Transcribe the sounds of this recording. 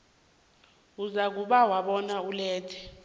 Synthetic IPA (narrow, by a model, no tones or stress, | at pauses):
uzak̬uɓawaɓɔnaulɛːtʰɛ̥